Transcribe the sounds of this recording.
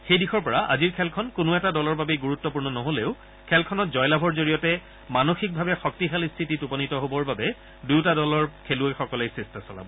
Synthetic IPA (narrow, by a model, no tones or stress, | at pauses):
xejdixɔɹpɔɹaʔa̰ziɹkʰɛlkʰɔnkʊnʊɛtadɔlɔɹbabɛɡuɹutːɔpuɹnɔnɔɦoleʊ | kʰɛlkʰɔnɔtzɔjlabʱɔɹzoɹijɔtɛ | manoxik̚bʱabɛxɔk̚tixalistʰititupɔnitɔɦobɔɹbabɛ | dujtadɔlɔɹkʰeluejxɔkɔlejsestasɔla̰bɔ